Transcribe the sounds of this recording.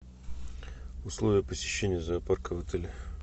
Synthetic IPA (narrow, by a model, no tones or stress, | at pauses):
ʊslˠovʲɪjəpəsʲɪ̥ɕːenʲɪjəzɐːparkəvɐt̪ɛlʲɪ